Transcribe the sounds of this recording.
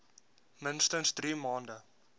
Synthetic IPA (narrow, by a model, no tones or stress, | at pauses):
mənstənsdɾiːmɑːndə